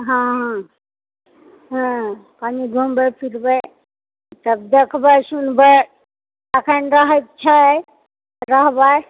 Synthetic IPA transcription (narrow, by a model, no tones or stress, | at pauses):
ɦãɦã | ɦãpaniɡʱumbəpʰiɾbəj | t̪əb̚d̪ekʰbəjsunbə | əkʰənɾəɦət̚t͡ʃʰa | ɾəɦbaj